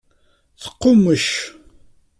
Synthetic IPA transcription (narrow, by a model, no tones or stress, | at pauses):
θə̥qːʊməʃ